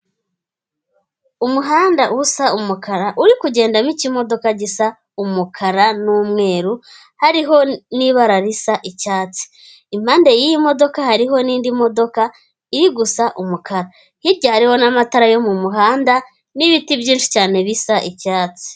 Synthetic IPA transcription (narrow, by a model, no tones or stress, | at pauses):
umuɦaːndaʔusaumukaɾaʔuɾikuɟe̞ːndamicimo̞do̞kaɟisa | umukʰaɾanuːmŋe̞ːɾu | haɾiɦo̞niβaɾaɾisaʔicaːt͡si̥ | im̥haːndejijimo̞do̞kahaɾiɦo̞niːndimo̞do̞ka | iɾiɡusaʔumukaɾa | hiɾɟahaɾiho̞namataɾajo̞mumuɦaːnda | niβitibjiːnʃi̥caːne̞βisaʔicaːt͡si̥